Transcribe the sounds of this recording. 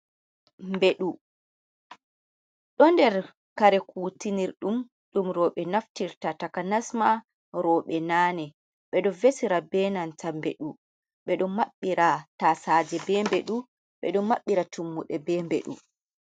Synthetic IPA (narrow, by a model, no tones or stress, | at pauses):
mbeɗu | ɗɔndɛɾ | kaɾɛkuːtiniɾɗum | ɗumɾɔɓɛnaftiɾtatakanasma | ɾɔɓɛnaːnɛ | ɓɛɗɔvesiɾabɛːnantʰambeɗu | ɓɛɗɔmaɓːiɾatasaːd͡ʒɛbɛːmbeɗu | ɓɛ̰ɗɔmaɓːiɾatʰumːuɗɛbɛːmbḛɗṵ